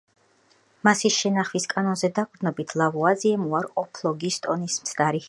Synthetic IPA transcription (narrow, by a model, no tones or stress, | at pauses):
masisʃɛnaχviskʼanɔnzɛd̪akʼɾd̪nɔbit̪ʰlˠavuad̪ziɛmuaɾɔpʰlˠɔɡist̪ʼɔnismt̪sʰd̪aɾi